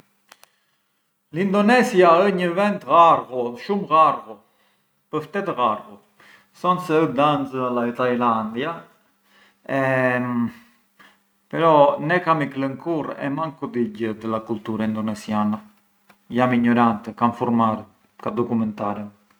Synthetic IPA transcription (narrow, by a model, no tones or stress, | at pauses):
lind̪ɔnɛsjaəɲəvɛnt̪ɣaɾɣɔʃumɣaɾɣɔ | pəɾft̪ɛt̪əɣaɾɣɔ | sɔnsɛud̪anzəalait̪ajland̪ja | ɛ | pɛɾɔnɛkamikləŋkuɾɛ̰maŋkud̪iɟəd̪əlakult̪uɾaind̪ɔnɛsjana | jamiɲɔɾant̪ɛkamfuɾmaɾ | kad̪ɔkumɛnt̪aɾə